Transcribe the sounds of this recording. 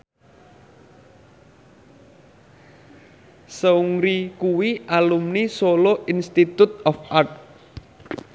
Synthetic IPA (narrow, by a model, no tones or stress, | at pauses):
səuŋɾikuwiʔalumnisoloʔinst̪it̪ut̪̚ɔfʔart̚